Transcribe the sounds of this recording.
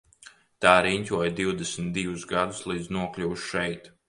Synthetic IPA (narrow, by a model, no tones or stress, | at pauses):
t̪aːɾiɲʲtʲuɔjd̪iwd̪esmt̪̚d̪ivusɡad̪uslˠiːd̪znuɔklʲuwʃʃɛjt̪